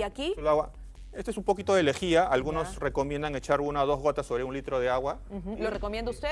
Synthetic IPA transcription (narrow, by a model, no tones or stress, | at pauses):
akilaɣwa | e̞st̪oesumpo̞kit̪o̞ðe̞lexiaʔalɣuno̞sre̞ko̞mjend̪aŋe̞t͡ʃaɾunaðo̞zɣo̞t̪asoβɾeunlit̪ɾo̞ðe̞aɣwa | xlorekomjend̪oust̪e